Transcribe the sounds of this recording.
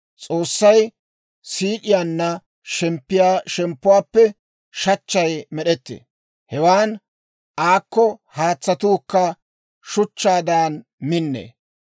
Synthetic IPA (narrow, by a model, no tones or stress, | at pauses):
t͡sʼo̞ːsːɐj | siːkɪjaːnːɐ | ʃɛmpːɪjaːʃɛmpːʊwaːpːɛ | ʃɐt͡ʃːɐjmɛɗɛt̪ːḛː | hɛwaːn | ʔaːkːɔhaːt͡sːɐt̪uːkːɐ | ʃʊt͡ʃːaːd̪aːn | mɪnːḛː